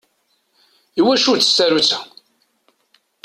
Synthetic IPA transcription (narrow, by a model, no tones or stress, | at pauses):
iwæʃut͡sːə̥sːæɾut͡sæ̥